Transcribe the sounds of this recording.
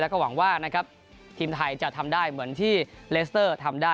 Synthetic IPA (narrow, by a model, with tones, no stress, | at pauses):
lɛ˦˥kɔː˥˩wa˩˦ŋwaː˥˩na˦˥kʰɾa˦˥p̚ | t̪ʰiː˧mt̪ʰa˧jt͡ɕa˨˩t̪ʰa˧mdaː˥˩jmɯ˩˦ənt̪ʰiː˥˩leː˦˥s̬t̪ɤː˥˩t̪ʰa˧mdaː˥˩